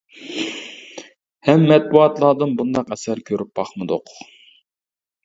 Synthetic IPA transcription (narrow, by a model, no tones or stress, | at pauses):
hɛmːɛt̪̚buɑt̪lˠɑːd̪ɨnbund̪ɑqɛsæɾkʲʰøɾyp̚b̥ɑχmɨd̪ʊ̰q